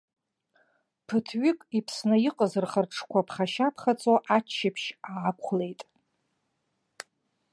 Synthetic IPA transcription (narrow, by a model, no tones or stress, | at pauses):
pʰɨtʰɥɪkʼipʰsnɨjiqʼəzɨrχərʈ͡ʂʰkʷʰapʰχaʃapʰχat͡sʼoʔat͡ʃʃapʰʃaːkʷχle̞jtʼ